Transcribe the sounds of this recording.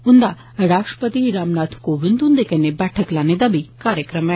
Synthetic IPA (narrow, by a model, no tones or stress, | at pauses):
ʊnd̪a | ɾaːʂʈɾə̥pət̪iɾaːmnaːt̪ʰkoːʋind̪und̪ekɐnebɛːʈʰəklaːned̪ɐbikaːɾjəkɾɐm